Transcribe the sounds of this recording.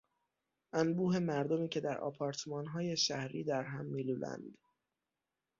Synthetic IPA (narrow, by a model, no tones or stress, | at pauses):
ʔænbuːɦe̞mæɾd̪omiːcʰe̞d̪æɾʔɒ̰ːpʰɒːɾt̪ʰemɒːnɦɒːje̞ʃæhɾiːd̪æɾɦæmːiːluːlæ̰nd̪̥